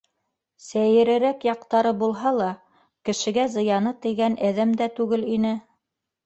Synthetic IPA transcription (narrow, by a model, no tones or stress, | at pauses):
sæjɘ̆ɾɘ̆ɾækjɑqt̪ɑɾɤbulˠɦɑlˠɑ | kɘ̆ʃɘ̆ɡæzɤ̆jɑnɤt̪ɘ̆jɡænæðæmd̪æt̪ʉɡɘlinɘ